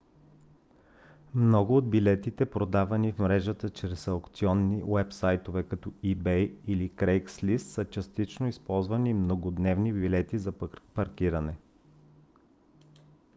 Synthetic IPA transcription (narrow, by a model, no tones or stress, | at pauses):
mnɔɡʊːd̪̚bilɛt̪it̪ɛpɾod̪avɐnifmɾɛʒət̪ət͡ʃɾɛsɐʊkt̪siɔnːiwɛpsajt̪ovɛkɐt̪ɔibɛjilikɾɛjkslist̪sət͡ʃɐst̪it͡ʃnoispɔlˠzvɐnimnoɡod̪nɛvnibilɛt̪izɐpɐɾkiɾɐnɛ